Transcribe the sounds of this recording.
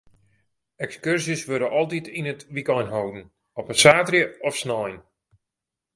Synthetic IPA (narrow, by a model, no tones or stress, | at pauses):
ɛkskørsisʋøɾəʔɔlˠt̬itʰinətʋikɔjnɦowdn̩ | ɔpəsaːtrjəɔfsnɔjn